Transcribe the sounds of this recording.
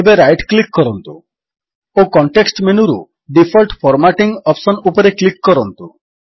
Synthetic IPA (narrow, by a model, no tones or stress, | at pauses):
ebeɾajʈklikːɔɾɔnt̪u | okɔɳʈeksʈmenuɾṵ | ɖipʰɔlʈpʰɔɾmaʈiŋɡɔpsɔnupɔɾeklikːɔɾɔnt̪u